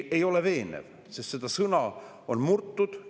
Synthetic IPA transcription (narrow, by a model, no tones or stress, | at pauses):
e̞jo̞leve̞ːnḛv | sest̪se̞d̪̥ɑsɤnɑ | o̞nmurt̪ːˑud̪̥